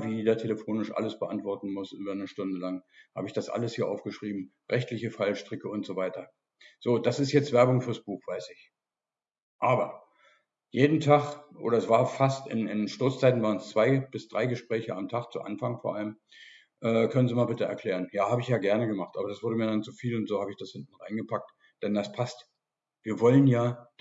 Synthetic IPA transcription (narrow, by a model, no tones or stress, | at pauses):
viːdaːtʰeləfoːnɪʃʔa̰ləsb̥əʔa̰ntv̥ɔɐtn̩mʊsʔyːbɐnəʃtʊndəlaŋha̰ːbəɪçd̥asʔa̰ləshiːɐʔa̰ʊfɡ̥əʃʁ̥iːbm̩ | ʁɛçtlɪçəfalʃtʁ̥ɪkəʊntz̥ovaɪtɐ | z̥oːd̥asɪstjɛt͡stv̥ɛɐbʊŋfyːɐsb̥uːχv̥aɪsɪç | ʔaːbɐ | jeːdn̩tʰaχʔo̰ːɾɐsv̥aːɐfastɪ̰nɪnʃtʊɐt͡st͡saɪtn̩vaːʁənst͡sv̥aɪb̥ɪsd̥ʁaɪɡəʃpʁ̥ɛːçəamtʰaχt͡sṵʔa̰nfaŋfoːɐʔa̰ləm | ʔɛːkʰœnənziːmaːlbɪtəɛ̰ɐkʰl̥ɛːʁ̞ənjaːhaːbəɪçjaːɡɛɐnəɡəmaχtʔaːbɐdasv̥ʊɐɾəmiːɐdant͡sufiːlʊntz̥oːhaːbəɪçd̥ashɪntn̩ʁaɪnɡəpʰak̚t | d̥ɛndaspʰast | viːɐvɔlənjaː